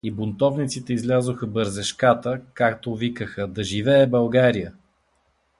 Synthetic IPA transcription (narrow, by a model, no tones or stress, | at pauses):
ibʊnt̪ɔvnit̪sit̪ɛizlʲazoxəbəɾzɛʃkat̪əkak̚t̪ovikəxəd̪ɐʒivɛːbɐlˠɡaɾijə